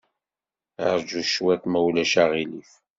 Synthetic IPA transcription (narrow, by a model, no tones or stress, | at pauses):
əɾd͡ʒuʃwæt̪mæwlæʃaʁiliθ